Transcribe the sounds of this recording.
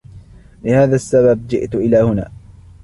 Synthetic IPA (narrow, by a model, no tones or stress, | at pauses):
lɪhaːðaːsːabab̚d͡ʒɪ̰ʔt̪ʊʔɪlaːhʊna̰ː